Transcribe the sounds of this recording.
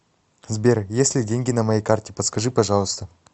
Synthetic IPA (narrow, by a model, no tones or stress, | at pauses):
zbʲe̞rjesʲlʲɪdʲeŋʲɡʲɪnɐmɐjejkʰartʲɪpɐt̪skɐʐɨpɐʐɑlˠəst̪ə